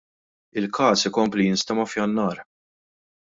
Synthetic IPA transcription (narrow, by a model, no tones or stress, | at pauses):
ɪlkɐːsɪkɔmplijɪnst̪ɐmɐfjɐnːɐːɾ